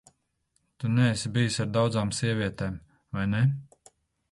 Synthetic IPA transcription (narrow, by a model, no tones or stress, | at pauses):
t̪unɛsibijusaɾd̪awd̪zaːmsʲiɛvʲiɛt̪eːm | vajnɛ